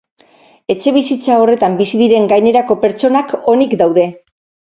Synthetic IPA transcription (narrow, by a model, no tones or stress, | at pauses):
e̞t͡ʃe̞βisit͡sao̞re̞t̪ambisiðiɾe̞ŋɡajne̞ɾako̞pe̞ɾt͡ʃo̞nako̞nikd̪awðe̞